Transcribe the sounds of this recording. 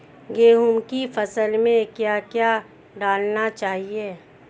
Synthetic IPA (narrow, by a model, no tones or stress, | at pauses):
ɡeːɦʊmkifʰɐsəlmẽkjaːkjaː | ɖaːlnat͡ʃaːɦieː